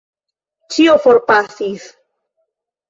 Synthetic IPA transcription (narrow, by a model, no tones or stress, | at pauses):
t͡ʃiofoɾpasis